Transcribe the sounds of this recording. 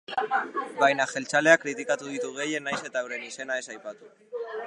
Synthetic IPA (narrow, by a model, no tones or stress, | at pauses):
bajnaxe̞lt͡ʃale̞akɾit̪̬ikat̪uð̞it̪uɣ̞e̞je̞najse̞t̪awɾe̞nise̞nae̞sajpat̪u